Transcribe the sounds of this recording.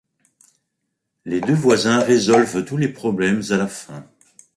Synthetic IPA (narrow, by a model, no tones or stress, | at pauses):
led̪øvwazɛ̃ʁezɔlvt̪ulepχɔblɛmzalafɛ̰̃